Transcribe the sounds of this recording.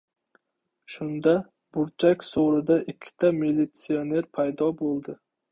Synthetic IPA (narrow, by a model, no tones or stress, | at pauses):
ʃʊnd̪a | bʊɾt͡ʃʰakʲsoɾɪd̪aʔɪkʲʰːɪ̥t̪ʰamilːit̪sione̞ɾpʰajd̪ɒbolˠd̪ɪ